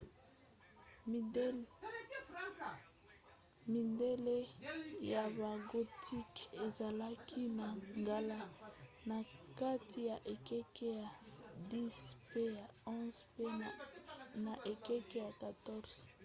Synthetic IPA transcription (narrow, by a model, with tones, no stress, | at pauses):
mi˨nde˦le˦ja˨ba˨ɡo˨tʰi˦ke˨za˨la˦kʰi˦na˨ŋɡa˨la˦ | na˨ka˦ti˨ja˨ʔe˨kɛ˦ke˦ja˨di˦spe˦ja˨ɔ̃˦z̥pe˦ | na˨ʔe˨kɛ˦ke˦ja˨ka˨tɔ˦ʁz̥